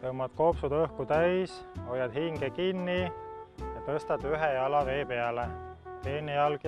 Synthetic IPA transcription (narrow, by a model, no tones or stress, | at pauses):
t̪ɤmɑd̪̥ko̞psud̪ɤhkut̪æjsojɑd̪̥hiŋɡ̥ekinːi | jɑt̪ɤst̪ɑd̪̥yɦejɑlɑve̞ːpe̞ælet̪eːnejɑlɡ̥